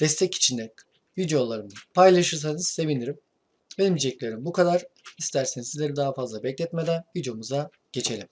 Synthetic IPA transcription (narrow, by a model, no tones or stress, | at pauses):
d̪̥ɛst̪ʰɛci̥t͡ʃʰind̪ɛ | vyd̪jolˠːaɾɯmd̪apʰajlˠaʃɯɾs̬anɯz̥se̞vind̪iɾim | benʲimd͡ʒid͡ʒɛclʲe̞ɾimbukʰad̪aɾ̥ist̪ʰæɾsenizizlʲeɾid̪aɦafazlˠabɛclʲɛt̪med̪ænvyd͡ʒomuza | ɟ̥e̞t͡ʃʰe̞lʲim